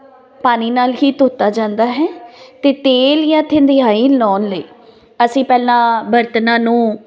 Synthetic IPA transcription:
paːniːnaːlɦiːt̪oːt̪ːaːd͡ʒãːnd̪aːɦɛːt̪eːt̪eːljãːt̪ʰɪ̃nd̪ɪaːĩːlɔːnləḭː | əsĩːpɛːlãːbəɾt̪nãːnũː

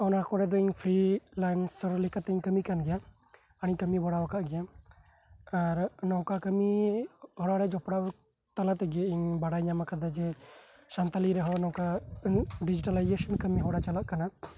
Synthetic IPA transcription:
ɔnakɔɾɛd̪ɔiɲpʰɾilajnsɔɾlikat̪ɛiɲkəmikanɡɛja | əɽ̃ikəmibɔɽawakaʔɡɛja | aɾnɔwkakəmihɔɽaɽɛd͡ʒɔpɽaʔ | t̪alat̪ɛɡɛaiɲbaɽajɲamakad̪ad͡ʒɛ | sant̪aliɾɛɦɔnɔwka | ɖid͡ʒiʈalajd͡ʒɛsɔnkəmiɦɔɽat͡ʃalaʔkana

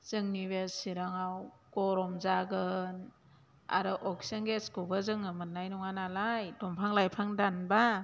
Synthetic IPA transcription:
z̥ɯŋniβesiɾaŋawɡ̥ɔɾɔmzaɡɯn | a̰ɾɯʔɔksenɡeskubazɯŋɯmɯnːajnɔŋanalajdɔmpʰaŋlajpʰaŋdanba

